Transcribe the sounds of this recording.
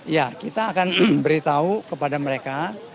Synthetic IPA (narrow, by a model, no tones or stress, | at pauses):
jakit̪aːkanbəɾit̪aukəpadaməɾeka